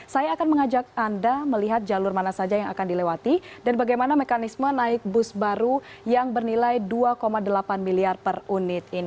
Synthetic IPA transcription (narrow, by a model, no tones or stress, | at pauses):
sajaːkanməŋad͡ʒak̚andaməliɦat̪̚d͡ʒalʊrmanasad͡ʒajaŋa̰kandilɛwat̪idanbaɡajmanamekanismənaɪk̚bʊsbaɾu | jaŋbərnilajduakomadəlapanmiliarpərunɪt̪̚ini